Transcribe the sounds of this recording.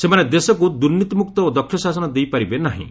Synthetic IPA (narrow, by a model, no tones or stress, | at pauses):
semaned̪esɔkud̪unːit̪ɔmuk̚t̪ɔod̪ɔkʰːjɔsasɔnɔd̪ejpaɾibenaɦḭ̃